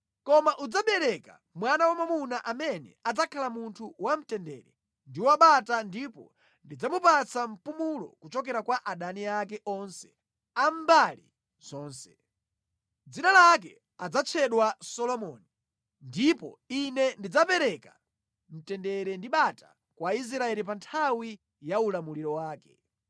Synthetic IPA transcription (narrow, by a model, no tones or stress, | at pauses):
kɔmaʔud͡zaɓɛɾɛka̰ | mwanawamamunaʔamɛnɛ̰ad͡zakʰalamuntʰuwam̩tɛndɛ̰ːɾɛ̰ | ndiwaɓatandipɔ̰ | ndid͡zamupat͡sam̩pumulɔ̰kut͡ʃɔkɛɾakwaʔaɗaniakɛʔɔnsɛ̥ | am̩balḭ | z̥ɔːnsɛ̥ | d͡zinalak̬ɛ | ad͡zat͡ʃʰɛɗwasɔlɔmɔni | ndipɔ̰inɛndid͡zapɛɾɛka | m̩tɛndɛɾɛndiɓata | kwais̬ɾaɛlip̬antʰawi | jaulamuliɾɔwaːkɛ̥